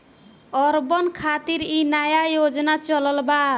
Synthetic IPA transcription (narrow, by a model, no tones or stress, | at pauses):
ɔɾbʌnkʰat̪iɾinajajod͡zɔnat͡ʃɔlɔlba